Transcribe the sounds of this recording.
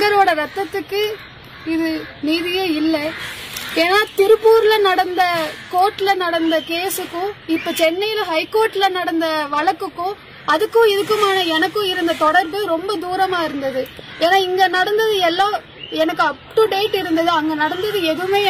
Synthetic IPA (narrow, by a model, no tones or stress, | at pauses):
ɡɐɾoːɽɐɾɐt̪ːɐt̪ːɯkːɯ | ɪðɯniːðɪjeɪlːɐ | eːnaːt̪ɪɾɯpːuːɾlɐnɐɽɐnd̪ɐkoːʈːɪlɐnɐɽɐnd̪ɐkeːsɯkːʊ̃ɪpːoːt͡ʃɛnːɐjɪlɐɦɐɪkːoːɾʈːɪlɐnɐɽɐnd̪ɐʋɐɭɐkːɯkːʊ̃ | ɐðɯkːʊ̃ɪðɯkːɯmaːnɐɛnɐkːʊ̃ɪɾɯnd̪ɐt̪ɔɽɐɾbɯɾɔmbɐd̪uːɾɐmaːɪɾɯnd̪ɐðɯ | eːnaːɪŋɡɐnɐɽɐnd̪ɐðɯɛlːãː | ɛnɐkːɯɐp̚ʈɯɖeːʈːɪɾɯnd̪ɐðɯɐŋɡɐnɐɽɐnd̪ɐðɯɛðɯʋmeː